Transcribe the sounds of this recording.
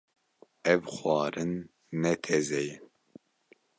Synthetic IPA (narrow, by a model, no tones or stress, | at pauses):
ɛvxwɑːɾɨnː | ɛt̪ʰɛzɛjin